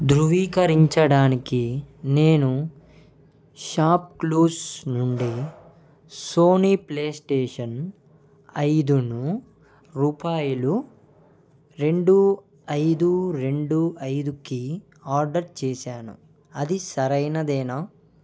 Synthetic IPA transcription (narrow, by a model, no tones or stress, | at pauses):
d̪ɾuʋiːkɐɾiɲt͡ʃɐɽaːnikine̞ːnu | ʃaːp̚kluːsnuɳɖi | so̞ːnipleːsʈeːʂɐn | ɐjd̪unu | ɾuːpaːjulu | ɾe̞ɳɖu | ɐjd̪uɾe̞ɳɖuɐjd̪uki | aːɾɖɐɾt͡ʃɛːʃaːnṵ | ɐd̪isɐɾɐjnɐd̪ɛːnɐ